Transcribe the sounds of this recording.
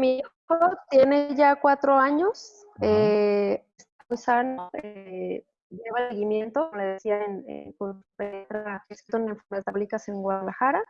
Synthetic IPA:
miixxot̪je̞ne̞ʝakwat̪ɾo̞aɲo̞s | e | est̪amujsanoe | ʝe̞βalseɣimje̞nt̪okomoleðesiaenḛkopeet̪ɾakest̪oneɱfuet̪aβlikase̞ŋɡwaðalaxaɾa

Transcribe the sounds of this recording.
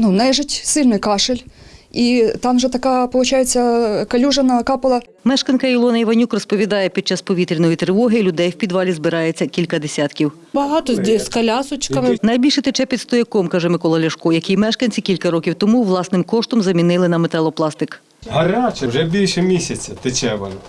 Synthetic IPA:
nunɛʒɪtʲsɪlʲnɪjkɑʃɪlʲit̪ɑmʒɛt̪ɐkɑpɔlˠʊt͡ʃɑjet͡sʲːɐkɐlʲuʒɐnɐkɑpɐlˠɐ | mɛʃkɐnkɐilˠɔnɐiʋɐnʲukrɔspɔʋʲid̪ɑjɛpʲid̪̚t͡ʃɑspɔʋʲit̪ɾʲinɔjit̪ɾɪʋɔɦɪlʲʊd̪ɛjwpʲid̪ʋɑlʲizbɪɾɑjet͡sʲːɐkʲilʲkɐd̪esʲɑt̪kʲiw | bɐɦɑt̪ɔskɐlʲɑsʊt͡ʃɪ̥kɑʋɪnɐjbʲilʲʃɛt̪et͡ʃɛpʲid̪st̪ɔjɐkɔmkɑʒɛmɪkɔlˠɐlʲɐʃkɔjɐkʲimɛʃkɐnʲt͡sʲikʲilʲkɐɾɔkʲiwt̪ɔmuʋlˠɑsnɪmkɔʃt̪ɔmzɐmʲinɪlˠɪnɐmet̪ɛlˠɔplˠɑst̪ɪk | ɦɐɾɑt͡ʃɛwʒɛbʲilʲʃɛmʲisʲɐt͡sʲɐt̪ɪt͡ʃɛʋɐn

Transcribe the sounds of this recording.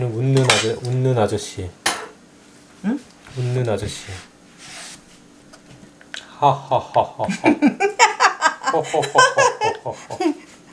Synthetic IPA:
nɯnunːɯnad͡ʑʌunːɯnad͡ʑʌɕ͈i | unːɯnad͡ʑʌɕ͈i | hahahaha

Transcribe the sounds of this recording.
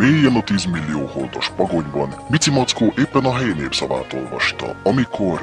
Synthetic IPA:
meːjijɛnɒt̪iːzmilːijoːhold̪o̞ʃpɒɡo̞ɲbɒnmit̪simɒt̪skoːʔeːpːɛnɒɦɛjineːpsɒva̰ːt̪o̞̰lvɒ̰ʃt̪ɒ̰ɒmikʰo̞r

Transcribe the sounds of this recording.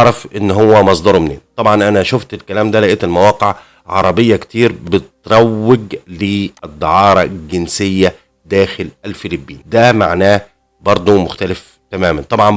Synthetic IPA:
ɾˤɑfʔɪnːɦowːæmɑsˤd̪ɑɾˤmnḛːnt̪ˤɑbʕɑnʔænæʃoft̪elkælæːmd̪ælæʔeːt̪elmæwɑːqeʕ | ʕɑ̰ɾˤɑbɪjːɑkt̪iːɾbɪt̪ɾˤɑwːɪɡled̪ˤːɑʕɑːɾˤɑɡɪnsɪjːæ | d̪æːxɪlʔælfɪlibːḭːnd̪æma̰ʕnæː | bɑɾˤd̪ˤomʊxt̪ælɪf | t̪æmæːmænt̪ˤɑbʕɑn

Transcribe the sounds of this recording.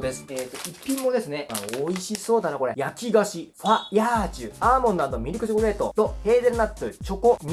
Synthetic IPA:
d̪esɨ̥eːt̪ːoipʲːĩmːo̞d̪e̞sɨne̞aoiɕiso̞ːd̪anako̞ɾe̞jakʲiɡaɕiɸajaːt͡ɕɨaːmõ̞nːad̪omʲiɾʲɯkɯ̟ɕikoɾe̞ːt̪o̞t̪o̞he̞ːd̪eɾɯnat̪ːɯt͡ɕo̞ko̞ɲ̟

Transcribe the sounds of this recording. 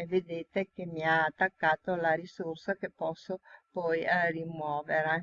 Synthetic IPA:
ved̪eːt̪ek̟emiaːt̪ːakːaːt̪olaɾisorsakepːɔsːopɔjrimwɔːveɾ

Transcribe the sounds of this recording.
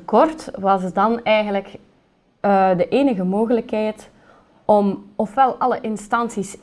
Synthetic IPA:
əkɔrtʋɑsədɑnɛjɣənləkː | dəʔeːnəɣəmoːɣələkɦɛjt | ɔmɔfʋɛlˠɑləʔɪnstɑnsis

